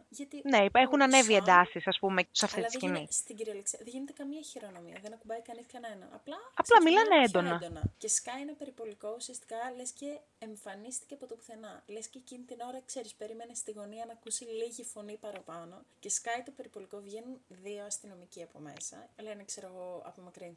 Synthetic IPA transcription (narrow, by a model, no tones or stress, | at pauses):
ʝɐt̪ineexunɐne̞viend̪ɐsisɐspumesɐft̪itɐiinist̪iɟiɾiɐleksiɐðeʝine̞t̪ekɐmiɐçiɾo̞no̞miɐðenɐkubɐikɐniskɐnenɐ̰ɐ̰plɐɐlɐmilɐneend̪o̞nɐd̪onɐce̞skɐjnɐpe̞ɾipo̞liko̞usiɐst̪i̥kɐle̞sce̞ː | ɱfɐnist̪iceɐpot̪opu̥θe̞nɐlesceːcinit̪ino̞ɾɐkse̞ɾispe̞ɾimenest̪iɣo̞niɐnɐkusiliʝifo̞nipɐɾɐpɐno̞ce̞skɐjt̪o̞pe̞ɾipo̞liko̞vʝe̞nunðio̞ɐst̪ino̞miciɐpo̞̰me̞̰sɐ̰ɐlɐenekseɾoɣo̞ɐ̰pomɐkɾin